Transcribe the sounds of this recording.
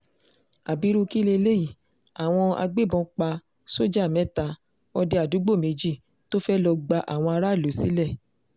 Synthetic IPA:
a˨bi˨˦ɾu˦ki˦le˧le˦i˦˨ | a˨w̃ɔ̃˧a̰˧ɡ͡be˦bɔ̃˧k͡pa˧ | so˦d͡ʒa˦˨mɛ̃˨˦ta˧ | ɔ˧de˧a˨du˨˦ɡ͡bo˦˨me˧d͡ʒi˦˨ | to˦fɛ˦lɔ˧ɡ͡ba˧ʔa̰˨w̃ɔ̃˧a˧ɾa˦˨lo˨si˨˦lɛ˦˨

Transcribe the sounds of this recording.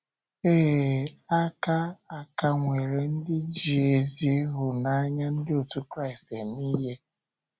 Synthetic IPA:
eː˦˨a˦ka˦a˨ka˨ŋʷe˨ɾe˨n̩˦dɪ˦d͡ʒi˨e˨zi˦e˦ɦʊ˨na˦a˦ɲa˦n̩˦dɪ˦o˨tu˦kɾa˦ɪ˨ste˨ni˦ɦe˦

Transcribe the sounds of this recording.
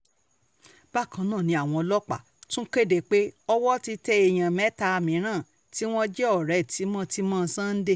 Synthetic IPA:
b̥a˦˨kã˧nãː˦˨nĩ˧˦a˦˨w̃ɔ̃˧lɔ˦k͡pa̰˦˨ | tũ˦ke˦de˨k͡pe˦ɔ˦wɔ˦ti˧tɛ˧˦e˧j̃ã˨mɛ˦ta˧mĩ˨˦ɾ̃ãː˦˨ | ti˨˦w̃ɔ̃˦d͡ʒɛ˦ɔ˦˨ɾɛ˨˦˨ti˨˦mã˦ti˧˦mã˦˧˦sã˦˧n̩˦de˦˨

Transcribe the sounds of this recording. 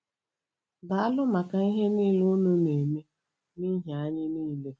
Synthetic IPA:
da˨a˦lʊ˦ma˨ka˨i˦ɦe˦niː˦˨lu˦nu˦ne˨mi˦ | ni˦ɦja˨a˦ɲɪ˦niː˦le˦

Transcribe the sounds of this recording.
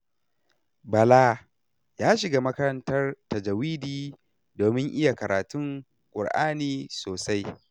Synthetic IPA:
bɐ˨laː˦ | jaː˦ʃɪ˨ɡa˦mɐ˦kɐ˦ɾɐ˦ntɐ˦rtɐ˨d͡ʒɐ˨wiː˦diː˨ | doː˨mɪ˦ŋʔɪ˦ja˨kɐ˨ɾaː˨tʊ˦ŋ | kʷʼʊ̰˨rʔa̰ː˦niː˨soː˨sa˦j

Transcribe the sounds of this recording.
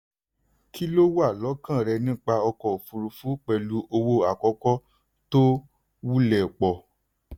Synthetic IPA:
kʰi˦lo˦wa˦˨lɔ˨˦kã˦˨ɾɛ˧nĩ˦˨k͡pa˧ɔ˧kɔ˨fu˧ɾu˧fu˨˦k͡pɛ˨lu˧˦ʔo˧wo˧a˨kɔ˧˦kɔ˦ | to˦ | wu˦lɛ˨k͡pɔ˨

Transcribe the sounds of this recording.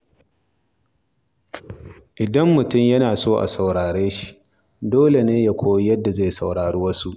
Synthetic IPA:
ʔɪ˨dɐ˦mːʊ˨tʊ˦˨mjɐ˦naː˨soː˦ʔa̰˨sa˨wɽaː˨ɽeː˦ʃi̥˦ | doː˦le˨neː˦ja˦kʷoː˦ji˦jɐ˦dːa˨zaː˦jsa˨wɽaː˨ɽuː˦wɐ˦su˦ʔ

